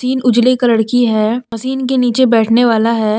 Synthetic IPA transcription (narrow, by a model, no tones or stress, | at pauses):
siːnʊd͡ʒlekaləɽkiɦɛːpɐsiːnk̬eniːt͡ʃebɛːʈʰneʋaːlaɦɛː